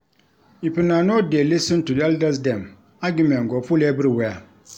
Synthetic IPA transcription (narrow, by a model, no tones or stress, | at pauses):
ipɨnanodelisɨ̃ntudɛldasdɛm | aɡimɛ̃nɡɔfulɛbɨɾwɛa